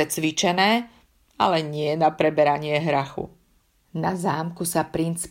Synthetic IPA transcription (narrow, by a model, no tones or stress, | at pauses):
ɛt͡sʋit͡ʃɛnɛː | alɛɲɪɛnapɾɛbɛɾaɲɪɛɦɾaxṵ | nazaːmkusapɾint͡s